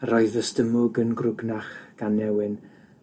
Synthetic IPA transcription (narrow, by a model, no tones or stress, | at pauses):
rɔɨðəstəmʊɡənɡrʊɡnaχɡ̥anːɛwɪn